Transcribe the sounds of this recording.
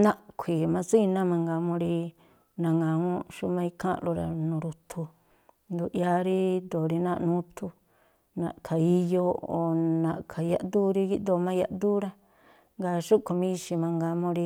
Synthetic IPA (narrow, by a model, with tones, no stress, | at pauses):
nã˦ʔkʷʰi˨mã˧si˦˧nã˦mã˧ŋɡa˧mõ˧ɾi˧ | nã˧ŋã˨ŋõ˦ʃu˧mã˧i˧kʰã̰˦ʔlo˧ɾa̰˧nũː˨˧ɾu˧t̪ʰu˧ | nd̪u˧˨ʔja˧ɾi˦d̪o˨ɾi˧nã˦˧ʔnũ˦t̪ʰu˧ | nã̰˨ʔkʰa˨i˧jo˧o̰˨nã˨ʔkʰa˨ja̰˧ʔ̪d̪u˦ɾi˧ki˦ʔd̪o˧mã˧˦ja˧ʔ̪d̪u˦ɾa˧ | ŋɡa˧ʃu˦ko˧mĩ˦˧ʃi˧mã˧ŋɡa˧mõ˧ɾi˧